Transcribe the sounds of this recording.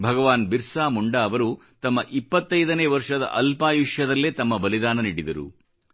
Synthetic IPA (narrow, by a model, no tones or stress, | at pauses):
bʱɐɡɐʋaːnbiɾsaːmuɳɖaːʋɐɾu | t̪ɐmːɐʔipːɐt̪ːɐjd̪ɐneːʋɐɾʂɐd̪ɐ̰ʔɐlpaːjiʂjɐd̪ɐlːeːt̪ɐmːɐbɐlid̪aːnɐniːɽid̪ɐɾṵ